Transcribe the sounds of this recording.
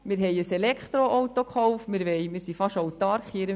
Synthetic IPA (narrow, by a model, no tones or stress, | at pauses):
mɪɾɦɛjəsɛlɛkχt̪ɾoʔowt̪okχɔwfmɪɾʋɛjmɪɾsifɑʃowt̪ɑɾkχiəɾə